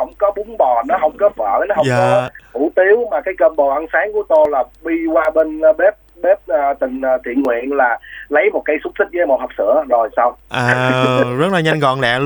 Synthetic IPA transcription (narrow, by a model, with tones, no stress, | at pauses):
ə̰˧˩wŋ͡mkɔ˨˦ɓʊ˨˦ŋ͡mɓɔ˨˩nɔ˨˦ɦə˧wŋ͡mkɔ˨˦və̰ː˧˨nɔ˨˦ɦə˧wɔ˧˦hu˧˩t̪i˨˦əwmaː˨˩kaː˨˦jkəː˧mɓo˨˩ʔə˧nsaː˨˦ŋku˧˩ət̪o˧jlaː˨˩ɓi˧kwaː˧ɓe˧nɓe˦˥p̚ɓe˦˥p̚ʔəː˨˩t̪ï˨˩ŋ̟ː˨˩t̪ʰḭ˧˨ənŋwḭ˧˨ənlaː˨˩lə˨˦jmo˨˩t̚kaː˨˦jsu˦˥t̚si˦˥k̚ːjmo̰˨˩nha˨˩p̚sɨ̰˧˥˨əzo˨˩jsa˧wŋ͡mʔaː˨˩zə˦˥t̚laː˨˩ɲa˧ŋ̟kɔ̰˧˨nlɛ̰˧˨